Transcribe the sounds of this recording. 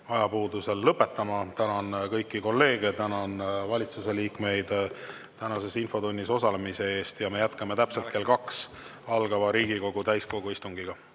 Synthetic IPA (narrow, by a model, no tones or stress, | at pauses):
ɑjɑpuːd̪use̞lːɤpːˑe̞t̪ːˑɑmɑt̪ænɑnkɤjkːiko̞lːe̞ːɡ̥e̞t̪ænɑnvɑlʲit̪suse̞liːkme̞jd̪̥ | t̪ænɑse̞sinfo̞t̪unʲːiso̞sɑle̞mise̞e̞ːst̪jɑme̞jæt̪kɑme̞t̪æpse̞lt̪̚ke̞lkɑks | ɑlɡ̥ɑvɑɾiːɡiko̞ɡ̥ut̪æjsko̞ɡ̥uist̪uŋɡ̥iɡ̥ɑ